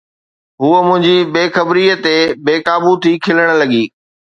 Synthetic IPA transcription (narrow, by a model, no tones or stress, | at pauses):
ɦuːəmʊ̃ɦɪ̃ɲd͡ʑibeːxɐbɾiət̪ebeːkaːbut̪ʰikʰɪləɽ̃lɐɠiː